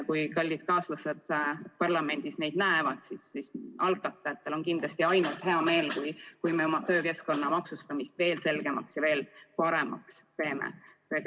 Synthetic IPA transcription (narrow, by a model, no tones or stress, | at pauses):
kujkɑlʲːid̪̥̚kɑːslɑse̞d̪̥pɑrlɑme̞nʲd̪̥isne̞jd̪̥̚næevɑd̪̥sisisʔɑlɡˑɑt̪ːˑɑjɑt̪ːˑelo̞nkind̪lɑst̪iɑjnult̪he̞ɑme̞ːlkujkujme̞o̞mɑt̪ø̞ːke̞sko̞nːɑmɑksust̪ɑmist̪ve̞ːlse̞lɡ̥e̞mɑksjɑve̞ːlpɑɾemɑ̰kspe̞ːmḛseɡ